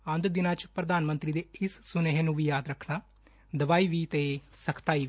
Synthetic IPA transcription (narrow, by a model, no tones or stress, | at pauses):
ə̃nd̪d̪ɪnãːt͡ʃpɾəd̪aːnmə̃nt̪ɾid̪eːɪsːʊneɦenũːʋiːjaːd̪ɾəkʰnaː | d̪əʋaːiʋit̪esəkʰt̪aːiːʋi